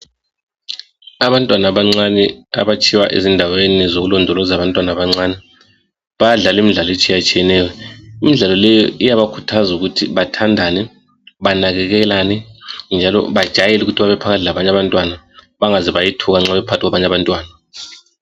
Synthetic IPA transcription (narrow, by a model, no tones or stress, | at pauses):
aβantʼwanaβaŋ͡ǀanɛa̰βat͡ʃʰʼiwaʔḛzindʱawenizoɣulɔndʱɔlɔzaβantʼwanaβaŋ͡ǀaːnɛ | βajaɮalimiɮalɔet͡ʃʼijat͡ʃʼijɛnɛːjɔimiɮalɔlɛjɔijaβakʰutʰazuɣutʰiβatʰandʱanɛ | βanaɣɛɣɛlanɛnd͡ʒʱalɔ̰βad̥ʒ̥ʱajɛluɣutʰiβaβɛpʰakatʰilaβaɲaβantʼwana | βaŋazɛβajitʰuɣaŋ͡ǁaβɛpʰatʰiɣwaβaɲaβantʼwaːna